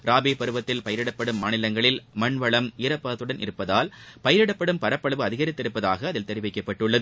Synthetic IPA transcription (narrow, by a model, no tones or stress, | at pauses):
ɾaːbiːpɐɾɯʋɐt̪ːɪlpɐjɐɾɪɽɐpːɐɽɯmːaːnɪlɐŋɡɐɭɪlmɐɳʋɐɭɐmɪɾɐpːaːt̪ːɯɽɐnʔɪ̰ɾɯpːɐðaːlpɐjɐɾɪɽɐpːɐɽɯmpɐɾɐpːɐɭɐʋɯɐðɪɣɐɾɪt̪ːɪɾɯpːɐðaːɣɐːðɪlt̪ɛɾɪʋɐɪkːɐpːɐʈːɯɭːɐðɯ